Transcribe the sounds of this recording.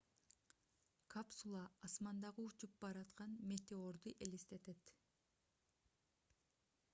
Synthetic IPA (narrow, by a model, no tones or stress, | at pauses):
kʰapsulˠɑːsmɑnd̪ɑʁɨut͡ʃup̚bɑɾɑt̪qɑnmʲe̞t̪eoɾd̪uʔe̞list̪e̞t̪et̪